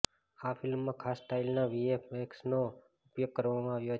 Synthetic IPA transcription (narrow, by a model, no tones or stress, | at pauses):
afɪlmːãkʰaːsːʈailnaʋiepeksno | ʊpjoɡ̚kəɾʋamãaːʋjo